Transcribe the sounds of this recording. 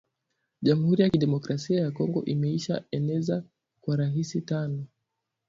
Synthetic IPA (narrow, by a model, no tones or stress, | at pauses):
ʄamuhuɾijakiɗɛmɔkɾasiajakɔŋɡɔʔimɛiʃa̰ɛnɛza | kwaɾaɦisitanɔ